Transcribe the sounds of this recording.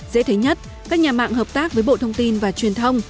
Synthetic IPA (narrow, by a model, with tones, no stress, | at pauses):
zḛ˧˥t̪ʰe˨˦ɲə˦˥t̚ | kaː˦˥k̚ɲaː˨˩ma̰ː˧˨ŋhɦəː˨˩p̚t̪aː˦˥k̚vəː˨˦jɓo̰˧˨t̪ʰə˧wŋ͡mt̪i˧nvaː˨˩t͡ɕwi˨˩ənt̪ʰə˧wŋ͡m